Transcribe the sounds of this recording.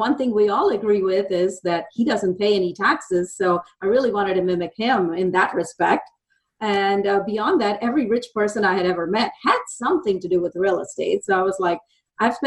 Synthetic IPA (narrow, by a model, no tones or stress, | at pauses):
wʌ̃nθɪ̃ŋwiɔlˠəɡɹiwɪðɪzðɨt̚hidʌzɨ̃n̩pʰeɪɛnitʰæksɪz̥soʊʔaɪɹɪlˠiwɑ̃ɾ̃ɨd̚tɨmɪ̃mɨk̚hɪ̃mɪ̃nðət̚ɹɨspɛk̚t | ɨ̃nʌbiɑ̃nðɨɾɛvɹiɹɪt͡ʃpʰɜ˞sɨ̃naɪɨɾɛvə˞mɛt̚hɨd̥sʌ̃mθɪ̃ŋtɨdɨwɨðəɹɪl̩ˠə̰steɪtsoʊaɪwʌzlaɪk̚ | ʔaɪv̥